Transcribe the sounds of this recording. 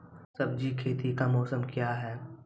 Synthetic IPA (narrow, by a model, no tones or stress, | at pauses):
sɐbd͡ʒikʰeːt̪ikamɔːsəmkjaɦɛː